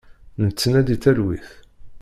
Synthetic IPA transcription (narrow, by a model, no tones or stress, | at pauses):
nət͡sːnæd̪iθæɾwiθ